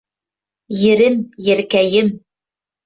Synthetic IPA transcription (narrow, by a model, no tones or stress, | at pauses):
jɘ̆ɾɘmjɘ̆ɾkæjɘm